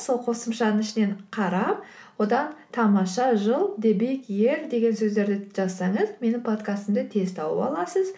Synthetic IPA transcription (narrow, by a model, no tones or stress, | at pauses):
so̞lˠqʰo̞səmʃɑd̪əɪʃɪne̞ɴqʰɑɾɑp | wo̞d̪ɑnt̪ʰɑmɑʃɑʒəlˠd̪e̞be̞kje̞ɾd̪e̞ɡʲe̞nsɵzd̪e̞ɾd̪ɪʒ̥ɑzsɑɴəzme̞nɪŋpʰo̞t̪kast̪əmd̪et̪ʰe̞zt̪ʰɑwə̰pɑ̰lˠɑsəz